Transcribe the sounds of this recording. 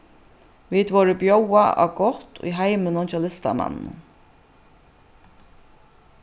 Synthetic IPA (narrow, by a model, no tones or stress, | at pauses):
vid̪vɔɹɪbjowaa̰wɡɔht̪ḭɦajmʏnʊnt͡ʃʰɛlɪst̪a̰ma̰nnʊ̰